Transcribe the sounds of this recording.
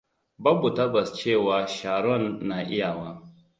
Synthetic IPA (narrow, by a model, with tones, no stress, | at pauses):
bɐ˦bu˨ta˦bɐ˨st͡ʃeː˦˨waː˨ʃaː˨ɽɔ˦˨nːaː˨ʔɪ˦ja˨waː˦